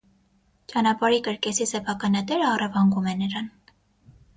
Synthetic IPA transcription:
t͡ʃɑnɑpɑɾikəɾkɛzisɛpʰɑkɑnɑd̪ɛɾəɑrɑvɑŋɡumɛnəɾɑn

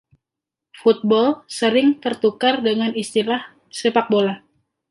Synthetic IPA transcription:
fut̪̚bɔlsəɾɪŋt̪ərt̪ukardəŋanist̪ilah | səpak̚bola

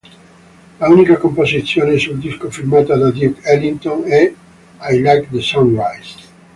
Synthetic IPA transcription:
launikakomposiθjonesuld̪iskofilmat̪ad̪ad̪jukɛlint̪õŋɛ | ajlakd̪esɔ̃nrajst̪

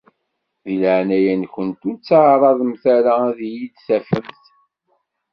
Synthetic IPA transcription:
ðiləʕnæjænçʷənt̪ut͡sːʕɾˤɑðˤəmθæɾaðijid̪θæfəmθ

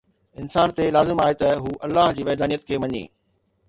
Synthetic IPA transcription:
ɪnsaːnt̪elaːzɪmaːet̪ɐɦuːʔɐlːaːɦd͡ʑiːʋɛːd̪aːnijət̪kʰeːʋɐɲḛː

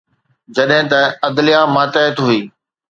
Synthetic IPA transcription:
d͡ʑɐɗɦɪ̃t̪ɐɐd̪lɪjaːmaːt̪əɦət̪ɦʊiː

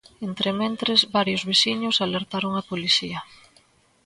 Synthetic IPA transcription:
ent̪ɾemẽnt̪ɾezβaɾjʊzβisiɲʊsaleɾt̪aɾoŋɐpoliθiɐ

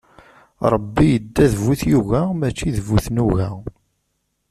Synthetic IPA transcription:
ɾˤəbːijəd̪ːæðəvuθjuɣæmæt͡ʃːiðəvuθnuɣæ

